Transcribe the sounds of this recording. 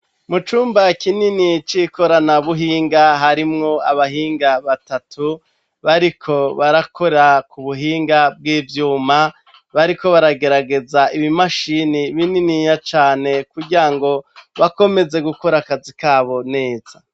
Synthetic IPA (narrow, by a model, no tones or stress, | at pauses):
mut͡ʃuːmbakininit͡ʃiko̞ɾanaβuɦiːŋɡaɦaɾimŋo̞aβaɦiːŋɡaβatatu | βaɾikʰo̞βaɾakʰo̞ɾakuβuɦiːŋɡab̚ɡiːvjuːma | βaɾiko̞βaɾaɡe̞ɾaɡe̞zaiβimaʃiniβininiɲat͡ʃaːne̞kuɟiɾaŋɡo̞βako̞me̞ze̞ɡukoɾakazikaːβo̞ne̞ːz̥a